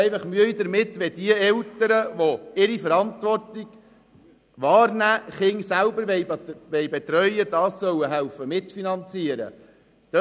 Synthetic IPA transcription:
ɛɪfɑχmyəid̪əɾmɪt̪ʋɛd̪iəɛlt̪əɾəʋoɪɾifəɾɑntʋɔrtiɡ̥ | ʋɑːɾnæːχɪŋsælbəɾʋɛɪʋɛjbɛt̪ɾœʏəd̥̪ɑːsːœwəɦælfəmɪt̪finɑnt͡siəɾə̰ | d̥

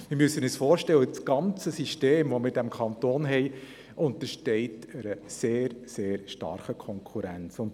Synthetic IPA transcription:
mɪɾmyəsːənɛsfɔːɾʃtɛwət͡sɡ̥ɑnt͡səsiʃteːmʋɔmɪɾdæmkʰɑnt̪oːnɦɛj | ʔʊnt̪əʃtɛɪtəɾəseːɾseːɾʃtɑ̰ɾχəkʰɔŋkʰuɾænt͡sʊnt

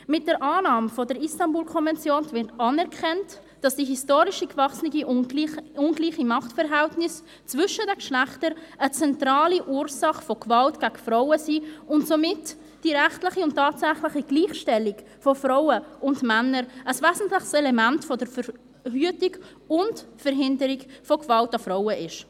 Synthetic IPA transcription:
mɪt̚d̥əɾʔaːnɑːmfɔdəɾistɑnbuːlkʰɔnvɛnt͡sjoːnvɪɾtɑːnɛɾkʰɛnt | d̥ɑsd̥iɦistoːɾɪʃikvɑχsnɪɡiiʊnɡliːχimɑχtfɛɾɦɛltnɪs | t͡svʏʃədɛkʃlæχtəɾət͡sɛntɾaːliʔuːɾsɑχfɔkvɑltɡ̥aɡfɾaʊəsiːʊntsomɪt | d̥iɾɛχtlɪχiʊntʰːɑːtsæχlɪχiɡ̥liːχʃtɛlik | fɔfɾaʊəʊndmænːəɾəsvɛːzn̩tlɪχsɛlɛmæntfɔdəɾfəɾ | hyətik | ʊntfəɾɦɪndəɾiɡfɔkv̥ɑltɑfɾawəʔɪʃ

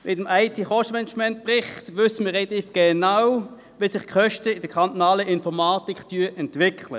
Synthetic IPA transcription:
mʔɪtəmaɪtʰiːχɔʃtəmɛnəd͡ʒmɛnt̚pʁɪχtʋʏsəməʁelɑt̪iːfɡ̥enaw | ʋisɪχkʰœʃtəɪd̥əkʰɑnt̪ɔnaːləʔɪnfɔʁmaːtiktyːəʔɛntʋɪkʰlə̰

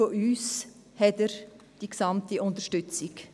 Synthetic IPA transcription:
oʔyːs | hɛtəɾ | d̥iksɑmtiʊnt̪əʃtʏt͡sɪk

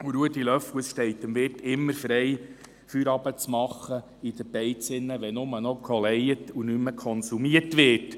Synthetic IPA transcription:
uɾuətilœfwəsʃtɛɪt̪ːəmʋɪrtɪmːəɾfɾɛj | fyɾɑb̥ət͡smɑχːə | id̪əb̥ɛɪt͡sɪnːəʋɛnʊmənɔkʰɔlɛjətunʏmːəkʰɔnsumiərtʋɪːt

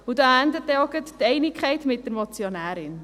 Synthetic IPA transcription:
udɑːændətːɛɔɡəttɛɪnɪkʰχɛɪtmɪt̚d̥əɾmɔt͡sjonæːɾɪn

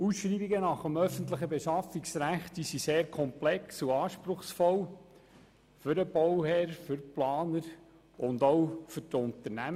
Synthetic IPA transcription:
usʃriːbiɡənɑχəmœfənt̪ləχəbeʃɑfiksɾæχtisiseːɾkʰɔmplɛksuɑːʃpɾʊχsfɔl | fʏɾəb̥ɔwhɛːɾfʏɾplɑːnəɾ | ʊnd̪owfʏtʊnt̪əɾnæm

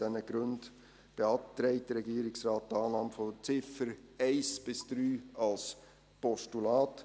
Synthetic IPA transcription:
d̥ɛnəɡ̥ɾɵnd | b̥eɑp̚tɾɛɪt̚d̥əɾɛɡiːəɾɪksɾɑːt̚dɑːnɑmfot͡sɪfəɾɛɪsb̥ɪsd̪̥ɾyːɑls | pɔʃtulɑːt

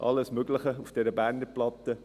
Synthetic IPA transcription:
ʔɑ̰lːəsmøɡlɪχəufd̥ɛɾəbæːɾnəplɑt̪ːə

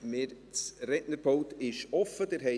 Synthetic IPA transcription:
mɪːɾ | t͡srɛʔnəɾpʰɔʊt̪ɪʃɔfːəd̥̪əɾɦɛ

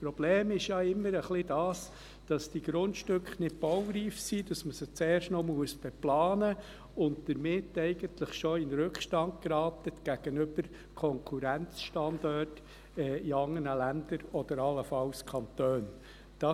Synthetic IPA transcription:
spɾɔb̥leːmɪʃjɑːɪmːəɾəχlidɑːs | d̥ɑsd̥iɡ̥ɾʊntʃtʏkχnɪt̚b̥ɔwɾiːfsid̥ɑsməsət͡seːrʃtnɔmuəsb̥eplɑːnə | ʊndd̥əɾmɪtːɛɪɡ̥ənt̪ləχʃɔɪnɾɵkχʃtɑnt̚kɾɑːtətɡ̥æɡ̥ənʏb̥əɾ | kʰɔŋkʰuɾænt͡sʃtɑndɔrt | ɛːiɑŋːənəlænd̥əɾɔd̥̪əɾɑlːəfɑlskʰɑnt̪øːn | d̥ɑ

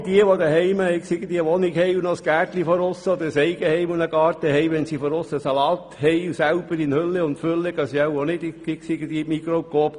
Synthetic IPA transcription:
d̥iəʋod̪əhɛɪməɪksɪɡəd̪iəʋɔnikhɛjunosɡ̥æːɾtlifɔɾʊsːəd̪əɾsɛɪɡəhɛjmunəɡɑːɾt̪əɦɛjʋɛnsifɔɾʊsːəsɑlɑːt̪hɛɪusæwb̥əɾɪnhølːəʊntfølːəɡ̥ɑsiawonɪd̥̪ɪ̥ɪksɪɡəd̥̪iːmikɾokop

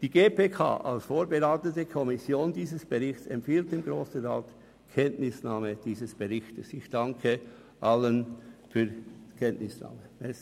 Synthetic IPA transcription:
d̥iːɡeːpʰeːkʰa̰ːʔa̰lsfoːɾbəʁaːtətəkʰɔmɪsjoːndiːzəsb̥əʁɪçt͡sɛ̰mpfiːlt̚emɡʁoːsn̩ʁaːt | kʰɛntnɪsnaːməd̥iːzəsb̥əʁɪçtəsɪçd̥ɑŋkʰə | ʔalənfyːkʰɛntnɪsna̰ːməɛs

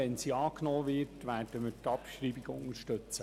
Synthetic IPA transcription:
ɛnsiːɑːknoːʋɪtʋæːrd̥əməɾtɑpʃɾiːbiɡʊŋəɾʃtɵt͡sə

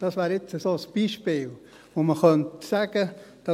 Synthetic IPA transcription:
d̥ɑsʋaːɾɪt͡səsoːsb̥iːʃpɪːl | ʋoməχœnt̪saɡəd̥ɑ

